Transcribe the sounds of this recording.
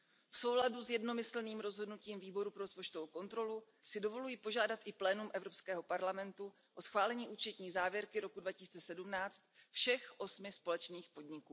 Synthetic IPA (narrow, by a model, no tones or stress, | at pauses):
fso̞wladuzjɛdno̞mɪsl̩niːmɾo̞zɦodnuciːmviːbo̞ɾupɾospot͡ʃt̪ovowko̞nt̪ɾo̞lu | sɪdo̞vo̞lujipo̞ʒaːdat̪ʔɪplɛːnumʔɛvɾo̞pskɛːɦopaɾlamɛnt̪u | ʔo̞sxvaːlɛɲiːʔuːt͡ʃɛt̪ɲiːzaːvjɛɾkɪɾo̞kudvacɪ̥siːt͡sɛsɛdumnaːt͡st̪̚fʃɛxʔo̞smɪspo̞lɛt͡ʃniːxpo̞dɲɪkuː